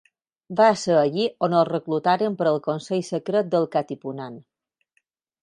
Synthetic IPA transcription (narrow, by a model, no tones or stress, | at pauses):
basəːʎionəlˠrəklut̪aɾəmpəɾəlˠkonsejsəkɾət̪̚d̪əlˠkat̪ipunan